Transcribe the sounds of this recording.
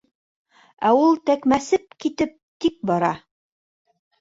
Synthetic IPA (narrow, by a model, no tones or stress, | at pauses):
æulˠt̪ækmæsɘp̚kit̪ɘp̚t̪ik̚bɑɾɑ